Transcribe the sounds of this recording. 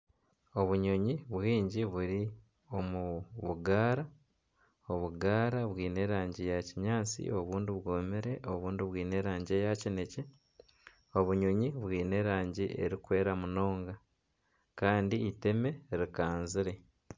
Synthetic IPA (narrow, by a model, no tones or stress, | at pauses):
o̞βuɲoɲiβwiːɲɟiβuɾi | o̞muβuɡaːɾa | o̞βuɡaːɾaβwiːne̞ɾaːɲɟijaciɲaːt͡sḭo̞βuːndiβwoːmiɾe̞ʔo̞βuːndiβwiːne̞ɾaːɲɟiejacine̞ce̞ | o̞βuɲoɲiβwiːne̞ɾaːɲɟiʔe̞̰ɾikwe̞ːɾamuno̞ːŋɡa | kaːndiːte̞me̞ɾikaːnziɾe̞